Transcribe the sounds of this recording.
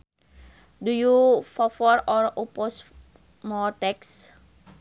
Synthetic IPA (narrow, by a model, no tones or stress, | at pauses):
dujufɔfɔɾɔrupɔs | mɔrt̪ɛks